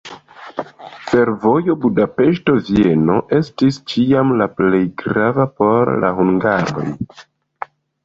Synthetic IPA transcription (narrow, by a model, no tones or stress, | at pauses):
fe̞ɾvo̞jo̞budape̞ʃto̞vie̞no̞̰ʔe̞stist͡ʃiamlaple̞jɡɾavapo̞ɾla̰huŋɡaɾo̞̰j